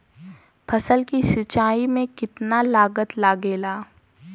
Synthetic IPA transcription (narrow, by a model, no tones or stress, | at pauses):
pʰɐsəlkisɪt͡ʃaːimẽkɪt̪nalaːɡət̪laːɡeːlaː